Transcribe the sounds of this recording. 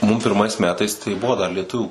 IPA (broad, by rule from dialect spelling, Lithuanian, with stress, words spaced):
mʊm pʲɪrˈmɐɪs ˈmʲæːtɐɪs tɐɪ ˈbʊʋoː dɐr lʲiɛˈtʊʋʲuː